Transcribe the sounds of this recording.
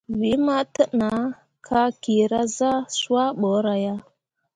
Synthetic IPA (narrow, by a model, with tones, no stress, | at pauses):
vi˨˦ma˦tə˦ʔna˨˦ | kʰa˦ki˨ɾa˦za˦sa˦ɓə˨˦ɾa˨ja˦